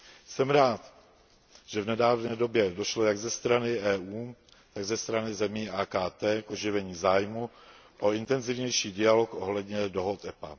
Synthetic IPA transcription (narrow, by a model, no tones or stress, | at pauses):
sɛmɾaːt̪ | ʒ̥ɛvnɛdaːvnɛːdo̞bjɛdo̞ʃlo̞jaɡzɛst̪ɾanɪʔɛːuː | t̪aɡzɛst̪ɾanɪzɛmiːaːkaːt̪ɛːkʔo̞ʒɪvɛɲiːzaːjmu | ʔo̞ɪnt̪ɛnzɪvɲɛjʃiːdɪalokʔo̞ɦlɛdɲɛdo̞ɦot̪ʔɛpa̰